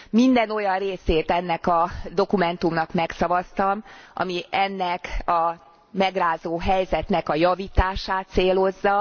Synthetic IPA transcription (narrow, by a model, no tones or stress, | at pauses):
mind̪ɛno̞jɒnreːseːt̪ɛnːɛkɒd̪o̞kumɛnt̪umnɒkmɛksɒvɒst̪ɒmʔɒ̰miʔɛnːɛkɒ | mɛɡraːzoːɦɛjzɛt̪nɛkɒjɒviːt̪aːʃaːt̪seːlo̞zːɒ